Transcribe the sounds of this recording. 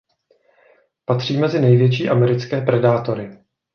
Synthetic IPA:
pat̪r̝̥iːmɛzɪnɛjvjɛt͡ʃiːʔamɛɾɪt͡skɛːpɾɛdaːt̪o̞ɾɪ

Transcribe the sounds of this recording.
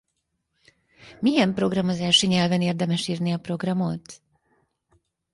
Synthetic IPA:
miɛmpro̞ɡrɒmozaːʃiɲɛlvɛneːrd̪ɛmɛʃiːrniɒpro̞ɡrɒmo̞t̪

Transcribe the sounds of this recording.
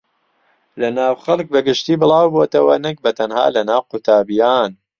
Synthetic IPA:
lɐnaːwxɐlˠk̚bɐɡɪʃt̪iːbɨlɑːwboːt̪ɐwɐnɨk̚bɐt̪ʰɐnha̰ːlɐnaːwqʊt̪ʰaːbijaːn

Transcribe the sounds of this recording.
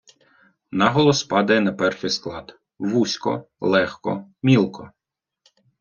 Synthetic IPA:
nɑɦɔlˠɔspɑd̪ɐjɛnɐpɛrʃʲisklˠɑd̪ | ʋusʲkɔ̰ | lˠɛxkɔ̰mʲilˠkʰɔ

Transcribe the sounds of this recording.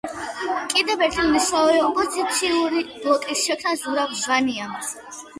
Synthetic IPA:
kʼid̪ɛvɛɾt̪ʰilnisaɔɾɛɔpʼɔzit̪sʰiuɾib̥lˠɔkʼisʃɛkʰnasuɾavzvania

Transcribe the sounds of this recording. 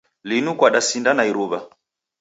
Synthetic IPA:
linukwaɗasindanaiɾuβa

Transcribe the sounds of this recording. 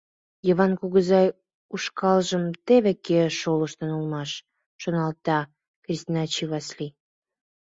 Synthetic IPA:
jəβɑnkuɣəzɑj | uʃkɑlʒəmt̪eβekeʃoləʃt̪ənulmɑʃ | ʃonɑlt̪ɑ | krʲist̪inɑt͡ɕiβɑsli

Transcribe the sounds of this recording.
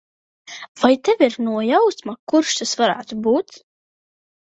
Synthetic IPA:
v̥ajt̪ɛviɾnuɔjawsmakuɾʃt̪asvaɾæ̰ːt̪ubuːt̪s

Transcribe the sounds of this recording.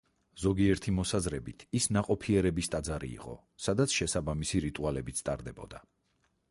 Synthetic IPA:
zɔɡiɛɾt̪ʰimɔsazɾɛbit̪ʰisnaqʼɔpʰiɛɾɛbist̪ʼad̪zaɾḭːqʼɔ̰ | sad̪at̪sʰʃɛsabamisiɾit̪ʼualɛbit̪sʰt̪ʼa̰ɾd̪ɛbɔ̰d̪a

